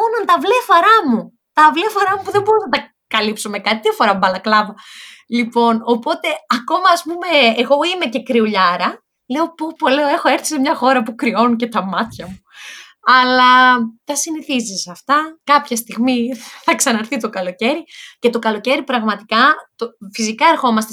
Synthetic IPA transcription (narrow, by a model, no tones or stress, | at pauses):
onɐnt̪ɐvlefɐɾɐmu | t̪ɐvlefɐɾɐmupuðembo̞ɾuznɐt̪ɐ | kɐlipsome̞kɐt̪it̪iɐfoɾɐbɐlɐklɐvɐlipo̞no̞po̞t̪e̞ɐko̞mɐːspume̞ːɣo̞ime̞ce̞kɾiuʎɐɾɐ | le̞o̞popo̞leoe̞xo̞e̞ɾθi̥semɲɐxo̞ɾɐpukɾio̞nuce̞t̪ɐmɐt̪çɐmu | ɐlɐt̪ɐsiniθizisɐft̪ɐkɐpçɐst̪iɣmiθɐksɐnɐɾθit̪o̞kɐlo̞ce̞ɾice̞t̪o̞kɐlo̞ce̞ɾipɾɐɣmɐt̪i̥kɐt̪ofisikɐe̞ɾxo̞mɐst̪e